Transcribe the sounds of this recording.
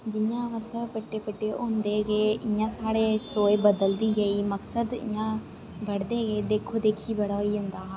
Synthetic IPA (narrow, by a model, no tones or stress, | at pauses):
d͡ʒɪɲãːmət̪ləbpəʈːeːpəʈːeːʔoːnd̪eːɡeːɪɲãːsaːɽeːsoːebəd̪əld̪iːɡəiːməksəd̪ɪ̰jãː | bəɽd̪eːɡeːd̪eːkʰoːd̪eːkʰiːbəɽaːiːɦʊ̃nd̪aː